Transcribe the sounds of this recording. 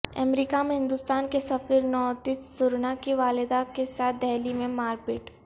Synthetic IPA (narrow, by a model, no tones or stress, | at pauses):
ɐ̰mɾiːkamẽɦɪ̃nd̪ʊst̪aːnkesɐfiɾnɔːt̪isːʊɾnakiʋaːlɪd̪akesaːt̪̚ʰd̪ɛɦlimẽmaːɾpɪʈ